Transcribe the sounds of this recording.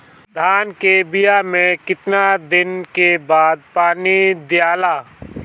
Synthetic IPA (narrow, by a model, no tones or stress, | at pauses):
d̪ʱaːnkebɪjamẽkɪt̪nad̪ɪnkebaːd̪̚paːnid̪ɪjaːlaː